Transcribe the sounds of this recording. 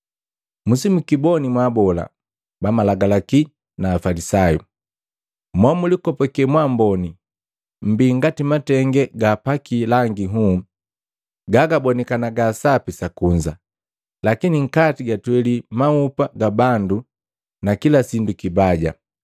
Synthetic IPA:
musimukibɔnimwabɔla̰ | bamalaɡalaki | naːfalisaju | mwamulikɔpɔkɛmwambɔni | m̩biŋɡatimatɛŋɡɛɡaːpakilaŋɡiɦu | ɡaɡabɔnɛkanaɡasapisakuɲd͡ʒa | lakiniŋ̩katiɡatwɛlimaupaɡabandu | nakilasindukibaɟa̰

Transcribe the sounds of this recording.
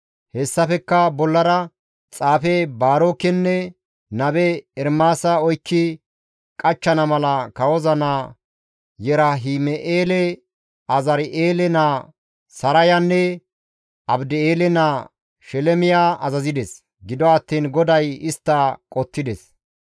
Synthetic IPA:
hɛsːɐfɛkːɐbɔlːɐɾɐ | t͡sʼaːfɛbaːɾoːkːɛnːɛ | nɐbɛːɾmaːsɐɔjkːɪ | kʼɐt͡ʃːɐnɐmɐlɐkɐwɔzɐnaː | jɛɾɐɦimɛʔeːlɛ | ɐzɐɾɪʔeːlɛnaː | sɐɾɐjanːɛ | ɐbd̪ɪeːlɛnaː | ʃɛlɛmɪjaːʔɐzɐzɪd̪ɛs | ɡɪd̪ɔɐt̪ːiːnɡɔd̪ɐjɪst̪ːɐkʼɔt̪ːɪd̪ɛs

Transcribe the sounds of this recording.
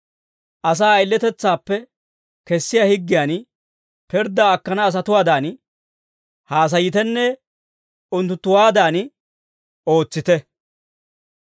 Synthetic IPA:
ʔɐs̬aːɐɪlːɛt̪ɛt͡sːaːpːɛ | kɛsːɪjaːhɪɡːɪjaːn | pɛɾd̪aːkːɐnɐːs̬ɐt̪ʊwaːd̪aːn | haːs̬ɐjɪt̪ɛnːɛ | ʊnt̪ːʊt̪ːʊwaːd̪aːn | o̞ːt͡sːɪt̪ɛ

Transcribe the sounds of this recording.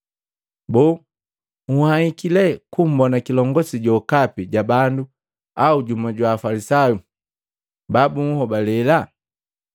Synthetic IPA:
bɔ | ŋuhahikilɛkum̩bɔnakilɔŋɡɔsiɟɔkapiɟabandu | auɟumaɟwaːfalisaju | babuŋ̩hɔbalɛla

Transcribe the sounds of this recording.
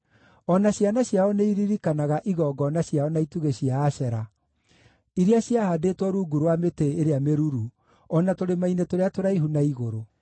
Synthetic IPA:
ɔnaɕjanaɕjaɔneiɾiɾikanaɣaʔiɣɔːɡɔnaɕjaɔnaituɣeɕiaːɕɛɾa | iɾiaɕjahadetwɔɾuːɡuɾwameteeɾeameɾuɾu | ɔnatoɾemainetoɾeatoɾaiɦunaiɣoɾo

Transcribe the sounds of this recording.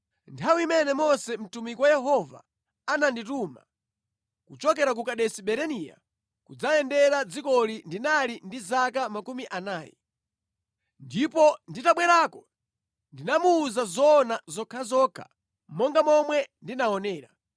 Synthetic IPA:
ntʰawiimɛnɛmɔsɛm̩tumikwajɛɦɔva̰ | anandituːma̰ | kut͡ʃɔk̬ɛɾak̬ukaɗɛsiɓɛɾɛnija̰ | kud͡zajɛndɛɾad͡zikɔlindinalindizakamakumiʔanaːjɛ̰ | ndipɔnditaɓwɛɾaːkɔ | ndinamuːzazɔːnazɔkʰazɔkʰa̰ | mɔŋɡamɔmwɛndinaɔnɛːɾa

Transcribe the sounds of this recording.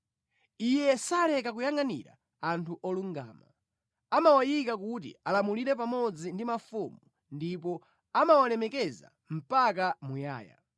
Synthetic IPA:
ijɛsalɛkakujaŋanḭɾa̰ | antʰuʔɔluŋɡa̰ːma | amawajikakut̬ḭalamuliɾɛp̬amɔd͡zindimafumu | ndip̬ɔ | amawalɛmɛkɛza̰ | m̩pak̬amuja̰ːja̰

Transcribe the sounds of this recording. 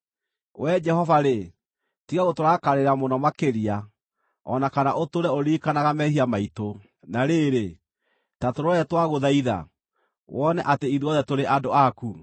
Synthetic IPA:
wʔɛd͡ʒɛhɔvaɾe | tiɣaɣotoɾakaɾeɾamonɔmakeɾia | ɔ̰nakanaʔotoɾɛoɾiːkanaɣamɛhiamaito | naɾeɾe | tatoɾoɛtwaɣoðaiða̰ | wʔɔnɛʔateiðuɔðɛtoɾeʔadoaku

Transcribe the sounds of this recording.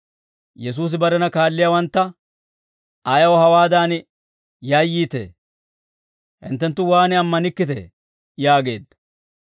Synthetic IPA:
jɛs̬uːs̬ɪbɐɾɛnɐkaːlːɪjawɐnt̪ːɐ | ɐjɐwɔhɐwaːd̪aːn | jaːjːiːt̪ḛː | hɪ̰nt̪ːɛnt̪ːʊwaːnɪɐmːɐnɪkːɪt̪ɛ̰ | jaːɡe̞ːd̪ːɐ̥

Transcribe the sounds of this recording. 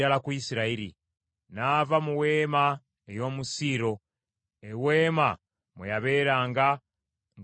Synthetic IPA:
alakuisiɾaiɾḭ | naːvamuwe̞ːma | ejo̞ːmusiɾo̞ | ewe̞ːma | mwejaβe̞ːɾaːŋɡa | ŋ

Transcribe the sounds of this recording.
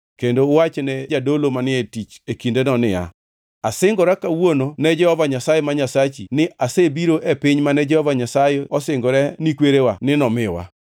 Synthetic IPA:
kendowat͡ʃnɛd͡ʒadolomanɪetit͡ʃekindenɔnɪa̰ | asɪŋɡɔɾɛkawononɛd͡ʒɛhɔvaɲasajemaɲasat͡ʃḭnɪʔasebiɾoʔepiɲmanɛd͡ʒɛhɔvaɲasajeɔsɪŋɡɔɾɛnikweɾewanɪnɔmɪwa̰

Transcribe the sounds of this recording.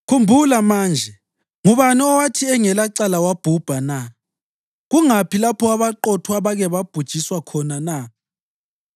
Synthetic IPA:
kʰumbʱulamaːnd͡ʒʱɛ | ŋuβaniɔwatʰiɛŋɛlaǀalawab̥ʱub̥ʱana | ɣuŋapilapʰɔaβaǃɔtʰuaβaɣɛβab̥ʱud̥ʒ̥ʱiswakʰɔnana

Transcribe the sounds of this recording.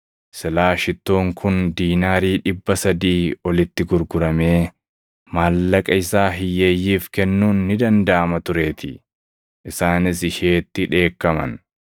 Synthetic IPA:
sɛlaːʃɪt̪ːoːŋkʰʊnd̪iːnaːɾiːᶑɪbːɐsɐd̪iːɔlɪt̪ːɪɡʊɾɡʊɾɐme̞ː | maːlːɐkʼɐɪsaːɦɪjːe̞ːjːiːfkɛnːuːnːɪd̪ɐnd̪ɐʔɐmɐt̪ʊɾe̞ːt̪ɪ | ʔɪsaːnɪsɪʃeːt̪ːɪᶑe̞ːkːɐmɐ̰n

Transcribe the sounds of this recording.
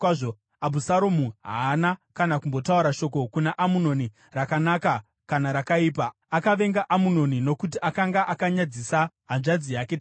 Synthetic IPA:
ʐo | abʱusaɾomuɦaːnakanakumbo̞tauɾaʃo̞ko̞kunaʔamuno̞ni | rakanaka | kanaɾakaiːpa | akaʋe̞ŋɡaʔamuno̞nino̞kutiʔakaŋɡaʔakaɲad͡zisaɦanʐad͡zijake

